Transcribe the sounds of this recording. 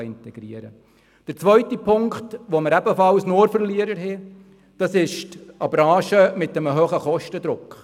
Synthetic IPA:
ɪntɛɡ̥ɾiəɾə̰ | d̥əɾt͡sʋœɥtipʰʊŋkχtʋoməɾæbəfɑlsnoːɾfəɾliəɾəɾɦɛ | d̥ɑsɪʃtɑbɾɑ̃ːʃəmɪtːəməɦøːχəχɔʃtəd̪ɾʊkχ

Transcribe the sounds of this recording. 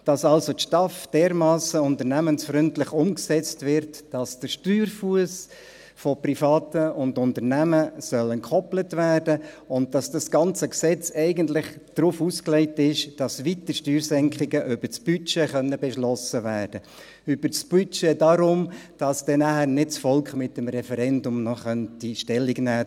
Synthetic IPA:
d̥ɑsɑlsotʃtɑfd̥ɛːɾmɑːsəʊntəɾnæmənsfɾʏntlɪχʊmksɛt͡stʋɪɾtd̥ɑsd̥əɾʃtyːɾfuəs | fɔprifɑːtəʊndʊntəɾnæməsœlɛnkʰχɔplətvæːrdə | ʊnt̚d̥ɑsd̥ɑsɡ̥ɑnt͡səksɛt͡sɛɪɡəntlɪχd̥ɾuːfusklɛɪtɪʃd̥ɑsʋit̪əʃtyːɾsɛŋkχɪɡəʔʏb̥ət͡sb̥yt͡ʃeχœnːəbɛʃlɔsəʋæːɾd̥ə | ʏbəɾt͡sb̥yt͡ʃedɑɾʊmd̥ɑsd̥ɛnæhæːɾnɪt̚t͡sfɔlkχmɪtəmɾɛfɛɾɛndʊmnɔχœntiʃtɛlːiɡnæː

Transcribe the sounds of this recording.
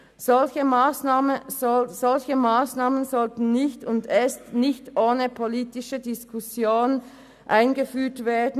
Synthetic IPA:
z̥ɔlçəmaːsnaːməɔz̥ɔlçəmaːsnaːmənzɔltn̩nɪçtʊndɛstnɪçtʔoːnəpʰoliːtɪʃədɪskʰusjoːn | ʔaɪnɡəfyːtv̥eːɐdn̩

